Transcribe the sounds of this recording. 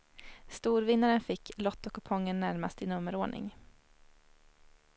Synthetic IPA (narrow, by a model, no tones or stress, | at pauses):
st̪uːɾvɪnːaɾənfɪkːlɔt̪ːɔkɔpʰɔŋːənːæɾmast̪ɪnɵmːəɾoːɳʔɪ̰ŋ